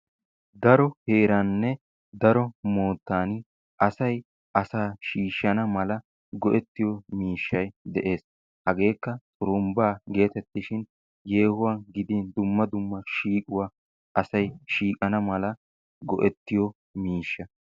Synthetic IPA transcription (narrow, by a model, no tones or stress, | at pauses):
d̪ɐɾɔhe̞ːɾɐnːɛ | d̪ɐɾɔmoːt̪ːaːn | ʔɐsɐj | ʔɐsaːʃiːʃːɐnɐmɐlɐ | ɡɔʔɛt̪ːɪjɔmiːʃːɐjd̪ɛʔe̞ːs | hɐɡe̞ːkːɐt̪ʼʊɾʊmbaːɡe̞ːt̪ɛt̪ːɪʃɪn | je̞ːhʊwanɡɪd̪iːnd̪ʊmːɐd̪ʊmːɐʃiːkʼʊwaː | ʔɐsɐjʃiːkʼɐnɐmɐlɐ | ɡɔʔɛt̪ːɪjɔ | miːʃːɐ